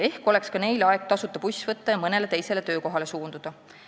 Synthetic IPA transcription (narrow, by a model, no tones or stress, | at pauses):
e̞hko̞le̞kskɑne̞jlɑeɡ̚t̪ɑsut̪ːˑɑpusʲvɤt̪ːˑɑjɑmɤne̞le̞t̪e̞jse̞le̞t̪ø̞ːko̞ɦɑle̞suːnd̪̥ud̪̥ɑ